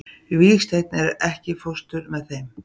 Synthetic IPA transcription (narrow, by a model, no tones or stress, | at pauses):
vixst̪ejt̪nɛɾɛhcɪfɔst̪ʏɾmɛðθejm